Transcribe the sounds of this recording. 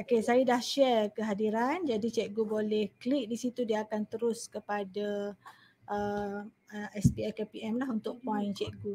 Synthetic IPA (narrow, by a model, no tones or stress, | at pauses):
okesajədahʃɛrkəɦadiɾand͡ʒadit͡ʃɛk̚ɡubolɛhklik̚disit̪udiaːkant̪əɾʊskəpada | ʔəm | əɛsbiajkepiɛmlaɦunt̪ʊk̚pɔ̃jnt͡ʃɛʔ̚ɡu